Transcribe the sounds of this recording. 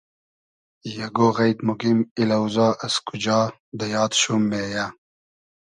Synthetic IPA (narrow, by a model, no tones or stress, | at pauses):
jɐɡoɣɐjt̪muɡimilɐwzɑːʔɐskud͡ʑɑː | d̪əjɑːd̪ɕumːeːja